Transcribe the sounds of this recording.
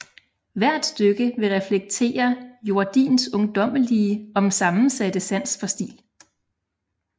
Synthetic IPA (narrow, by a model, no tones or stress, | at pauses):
ʋæɐ̰d̥sd̥øɡ̥əʋe̝ʁɛfleɡ̥̚t͡sʰe̝̰ːɐjo̝ɐd̥ḭːnsɔ̽ŋd̥ɒ̽m̰əliəɒ̽msɑ̈mn̩sæd̥əsæn̰sfɒ̽sd̥ḭːl